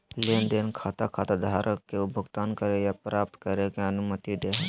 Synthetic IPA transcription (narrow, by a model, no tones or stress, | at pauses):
leːnd̪enkʰaːt̪akʰat̪ad̪ʱaːɾʔəkːeubʱəɡt̪aːnkəɾejapɾaːp̚t̪kəɾekeənʊmət̪id̪eɦ